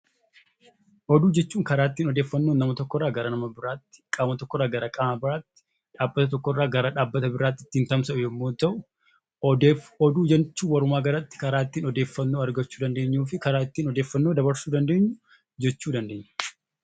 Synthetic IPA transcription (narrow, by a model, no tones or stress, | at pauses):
ʔɔd̪uːd͡ʒɛt͡ʃːuːŋkɐɾaːt̪ːiːnɔd̪eːfːɐnːoːnːɐmɐt̪ɔkːɔrːaːɡɐɾɐnɐmɐbɪɾaːt̪ːɪ̥kʼaːmɐt̪ɔkːɔrːaːɡɐɾakʼaːmɐbɪɾaːt̪ːɪ̥ | ᶑaːbːɐt̪ɐt̪ɔkːɔɪrːaːɡɐɾaːᶑaːbːɐt̪ɐbɪɾaːt̪ːɪt̪ːiːnt̪ɐmsɐʊjɛmːoːt̪ɐʔʊ | ɔd̪uːd͡ʒɛnt͡ʃːuːwɐɾʊmaːɡɐɾɐt̪ːɪ̥kɐɾaːt̪ːiːnɔd̪e̞ːfːɐnːo̞ːɐɾɡɐt͡ʃːuːd̪ɐnd̪e̞ːɲːuːfɪkɐɾaːt̪ːiːnɔd̪e̞ːfːɐnːoːd̪ɐbɐɾsuːd̪ɐnd̪e̞ːɲːʊ | d͡ʒɛt͡ʃːuːd̪ɐnd̪e̞ːɲː